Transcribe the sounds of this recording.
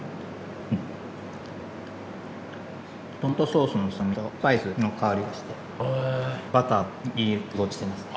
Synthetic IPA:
t̪õnt̪o̞so̞ːsonosomʲik̪apaisɨnokʰaoɾʲid̪aɕi̥t̪e | bat̪aiɡot͡ɕi̥t̪emasɨ̥

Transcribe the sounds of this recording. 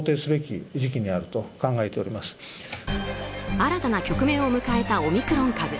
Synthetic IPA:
t̪e̞ːsɨɾɯbekʲiʑikʲiɲ̟iaɾɯ̟t̪o̞kãŋɡae̞t̪e̞o̞ɾʲimasɨ̥ | aɾat̪anakʲo̞kɯ̟mẽ̞ɰ̃o̞mɯ̟kae̞t̪ao̞mʲikɯ̟ɾõ̞ŋkabɯ̟

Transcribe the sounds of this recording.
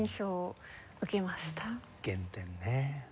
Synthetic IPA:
ɰ̃ɕo | ɯkemaɕi̥t̪a | kẽnt̪enːe

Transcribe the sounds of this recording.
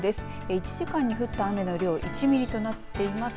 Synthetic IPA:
d̪e̞sɨ̥ | eit͡ɕiʑikãɲ̟ːiɸɯ̟t̪ːaːme̞no̞ɾʲo̞ːʔit͡ɕimʲiɾʲit̪o̞nat̪ːe̞imas

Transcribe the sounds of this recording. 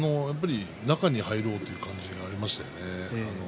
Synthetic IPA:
no̞japːaɾʲi | nakaɲ̟ihaiɾo̞ːt̪ːeiɯ̟kãɲ̟d͡ʑiɡaːɾʲimaɕi̥t̪a̰jo̰neano

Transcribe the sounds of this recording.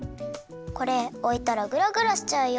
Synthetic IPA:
ko̞ɾeoit̪aɾaɡɯ̟ɾaɡɯ̟ɾaɕi̥t͡ɕaɯjo

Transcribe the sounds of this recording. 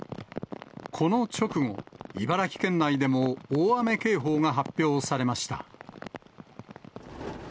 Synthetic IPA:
kʰo̞no̞t͡ɕo̞kɯ̟ŋo̞̰ibaɾakʲi̥kẽ̞nːaid̪e̞mo̞oːame̞ke̞ːɦo̞ːŋaɦapʲːjo̞ːsaɾe̞maɕi̥t̪a̰

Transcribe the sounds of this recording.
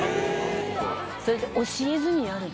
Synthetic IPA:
soɾʲet̪ːeʔoɕiezɨɲ̟inaɾɯ

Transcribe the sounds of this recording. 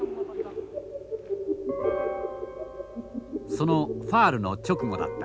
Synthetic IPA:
so̞noɸaːɾɯ̟no̞t͡ɕo̞kɯ̟ŋo̞d̪a̰t̪ːḁ

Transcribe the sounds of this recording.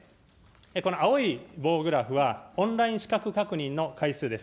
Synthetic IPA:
eko̞noaoibo̞ːɡɯ̟ɾaɸɯ̟βaõ̞ñɾaĩɰ̃ɕi̥kakɯ̟kakɯ̟ɲ̟ĩnːo̞kaisɨːd̪e̞s

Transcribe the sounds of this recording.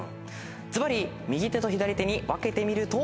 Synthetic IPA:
t͡sɨbaɾʲi | mʲiɡʲit̪e̞t̪o̞çid̪aɾʲit̪e̞ɲ̟iβake̞t̪e̞mʲiɾɯ̟t̪o

